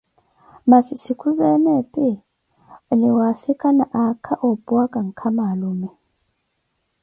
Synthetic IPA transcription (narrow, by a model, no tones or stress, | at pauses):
masisikʰuzɛnɛpʼi | niwasikʼanaʔakʰaʔobʼuakʼaŋ̩kʰamalumɛ